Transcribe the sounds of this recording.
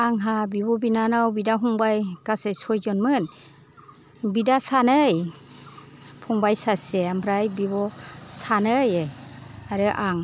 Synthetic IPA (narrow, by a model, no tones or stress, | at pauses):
aŋɦabibɔbinanawbidaɦuŋbajɡasɯjsɔjzɔnmɯn | bidasanɯj | pʰuŋbajsaseambʰɾajbibɔsanɯjjaɾɯʔaŋ